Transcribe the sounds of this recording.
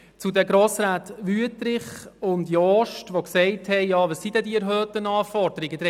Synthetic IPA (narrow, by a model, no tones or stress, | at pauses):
t͡sudɛɡɾoːsɾaːt̪ʋyətɾɪχʊndjɔːʃtʋoksɛɪthɛɪjɑːʋəssid̥̪ɛdiɛɾɦœːtənɑːfɔɾd̥əɾɪɡədɾɛ